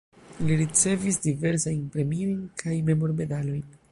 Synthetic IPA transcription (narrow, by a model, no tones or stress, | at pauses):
liɾit͡se̞visdive̞ɾsajnpɾe̞mio̞jnkʰajme̞mo̞ɾme̞dalo̞jn